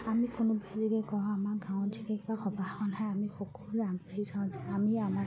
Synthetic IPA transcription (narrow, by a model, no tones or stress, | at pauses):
amikʊnʊbaziɡɛkɔɹ̃amaɹɡãw̃ɔtʰiɡɛkibaxɔbaɔnɦajamixɔkɔluaŋpiizãʊ̃zɛamiama